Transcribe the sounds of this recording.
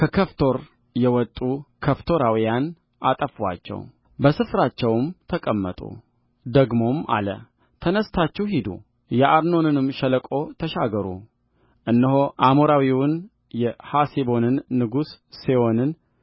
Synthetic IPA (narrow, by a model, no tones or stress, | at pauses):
kʰəkʰəft̪ʰo̞ɾ | jɛwɔt̪ʼːukʰəft̪ʰo̞ɾawijan | ʔat̪ʼəfwa̰t͡ʃːɛ̰w | bəsɨfɾat͡ʃːɛwmt̪ʰəkʼəmːə̰t̪ʼṵ | d̪əɡmo̞ma̰lə̰ | t̪ʰənəst̪ʰat͡ʃːɛwhid̪ṵ | jɛʔaɾno̞nɨnɨmʃələkʼo̞t̪ʰəʃaɡəɾṵ | ʔɨnːɨɦoʔamoɾawiwʊn | jɛhasibo̞nɨnːɨɡusːiwo̞nɨn